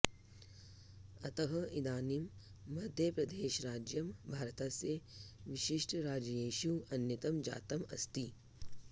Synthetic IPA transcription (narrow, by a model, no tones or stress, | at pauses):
ɐt̪ɐɦɐid̪aːnimː | ɐd̪ʱjɐpɾɐd̪eːʃɾaːd͡ʒjɐmbʱaːɾɐt̪aseʋiʃiʂʈʰɾaːd͡ʒɐjeːʃuɐnjɐt̪ɐmd͡ʒa̰ːt̪ɐmɐ̰st̪i